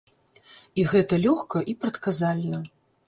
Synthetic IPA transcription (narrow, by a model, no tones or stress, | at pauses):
iɣɛt̪ɐlʲɔxkɐʔipɾɐt̪kazalʲnɐ